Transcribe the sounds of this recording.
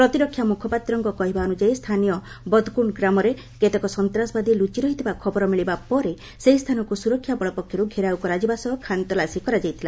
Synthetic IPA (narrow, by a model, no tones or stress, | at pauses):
pɾɔt̪iɾɔkʰːjamukʰɔpat̪ɾɔŋkɔkɔɦibaɔnud͡ʒajst̪ʰanijɔ | bɔd̪ʱkuɳɡɾamɔɾe | ket̪ekɔsɔnt̪ɾasɔbad̪ilut͡ʃiɾɔɦit̪ʰibakʰɔbɔɾɔmiɭibapɔɾe | seɦist̪ʰanɔkusuɾɔkʰːjabɔɭɔpɔkʰjɔɾuɡʱeɾawkɔɾad͡ʒibasɔkʰant̪ɔlasikɔɾad͡ʒajt̪ʰila